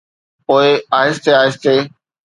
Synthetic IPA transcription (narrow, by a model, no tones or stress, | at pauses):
poːɪaːɦɪst̪eaːɪst̪eː